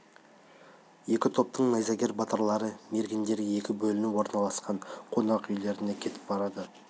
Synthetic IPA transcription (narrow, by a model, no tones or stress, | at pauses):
je̞kʲɪt̪ʰo̞p̚t̪ʰəɴnɑjzɑɡʲe̞ɾbɑt̪əɾlˠɑɾəme̞ɾɡʲɪnd̪e̞ɾɡʲee̞kʲɪbɵlɪnɪwo̞ɾnɑlˠɑsqɑɴqʰo̞nɑqʏjle̞ɾɪne̞kʲʰe̞t̪ɪ̥p̚bɑɾɑd̪ə